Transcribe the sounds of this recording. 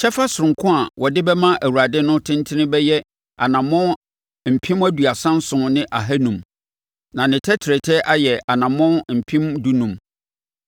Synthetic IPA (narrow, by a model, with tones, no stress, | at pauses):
t͡ɕʰɛ˦fa˦sʊ˨ɾʊ̃˨ŋkʰʊ̃˦a˨wɔ˨dɪ˦bɛ˦mã˦ʔæ˨wu˨ɾa˨dɪ˦nʊ̃˦tʰɪ̃˦n˦tʰɪ˦nɪ̃˦bɛ˦jɛ˦ | a̰˨nã˨mʊ̃˦ | m̩˨pʰĩ˦mæ˦du˨a˨sã˦n˦sʊ̃˨nɪ̃˦ʔa˨ɦæ˦nũ˨m | nã˨nɪ̃˨tʰɛ˦tʰɪ˨ɾɛ˨tʰɛ˦ʔa˦jɛ˨ʔa˨nã˨mʊ̃˦m̩˨pʰĩ˦mdu˦nũ˨m